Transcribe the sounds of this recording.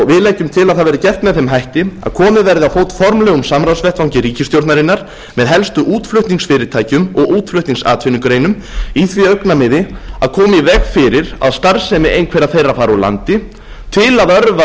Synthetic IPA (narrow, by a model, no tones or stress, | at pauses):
vɪðlaːjcʏmt̪ʰɪlaðθaðvɛɾɪcɛft̪mɛðθejmɦajht̪ɪa̰ðkʰɔːmɪðvɛɾðɪawfoːwt̪fɔɾmlɛːɣʏmsamɾawsvɛht̪vawɲcɪɾiːcɪst̪jowɾt̪naɾɪnːaɾ̥ | mɛðɦɛlst̪ʏʔuːt̪flʏht̪niŋksfɪːɾɪt̪ʰaːjcʏmɔɣuːt̪flʏht̪niŋsa̰ːt̪fɪniŋkʏɾejnʏm | iθviœɥknamɪðɪa̰ðkʰɔːmivɛxfɪɾɪɾa̰ðst̪aɾsɛmɪʔejnkʰvɛɾaθejrːafaːɾala̰nt̪ɪ | t̪ʰɪlaðœɾva